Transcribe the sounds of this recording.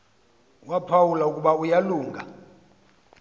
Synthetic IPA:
wapʰawulaukʼuɓaujaluːŋɡʱa̰

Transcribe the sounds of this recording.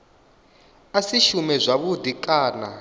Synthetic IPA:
asiʃumɛzʷaβudʱikʼaːna

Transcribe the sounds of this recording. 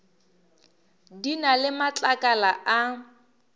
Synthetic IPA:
dinalɪmat͡ɬʼakʼalaʔa

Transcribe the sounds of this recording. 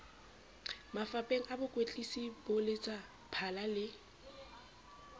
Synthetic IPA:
mafapʼeŋ̩abʊkʼwet͡ɬʼisibʊlɪt͡sʼa | pʰalalɪ

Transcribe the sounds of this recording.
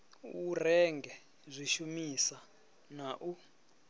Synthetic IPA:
urɛŋɡʱɛ | zʷiʃumisa | naʔu

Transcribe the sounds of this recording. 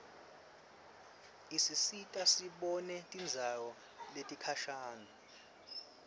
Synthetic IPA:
isisitʼasiɓɔnɛtʼind͡zʱawɔ | letʼikʰaʃaːŋa

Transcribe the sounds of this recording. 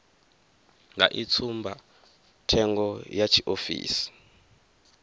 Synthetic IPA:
ŋɡʱa̰ʔit͡sʰumbʱa | tʰɛŋɡɔjat͡ʃʰiʔofḭːsi̥

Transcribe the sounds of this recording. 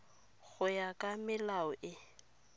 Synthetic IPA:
ɣʊjakʼamɪlaʊʔɪ

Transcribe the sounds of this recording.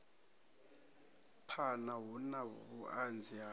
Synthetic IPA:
pʰanaɦunaβuʔand͡zʱia

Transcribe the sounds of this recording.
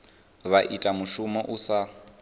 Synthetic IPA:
βaʔitʼamuʃumɛʔusa

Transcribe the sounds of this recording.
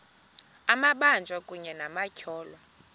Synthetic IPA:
amaɓand͡ʒʱwakʼuɲɛnamacʰɔːlwa

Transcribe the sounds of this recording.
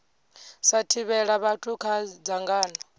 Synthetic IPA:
satʰiβɛɺaβatʰukʰad͡zaŋɡaːnɔ

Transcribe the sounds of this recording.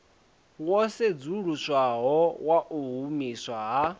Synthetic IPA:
wɔsed͡zuɺuswaɦɔwaʔuɦumiswaɦa

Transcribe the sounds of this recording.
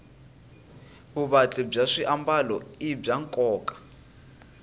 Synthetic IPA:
βuβat͡ɬʼɛb͡ʐaʂiʔambalɔib͡ʐaŋkʼɔːkʼḁ

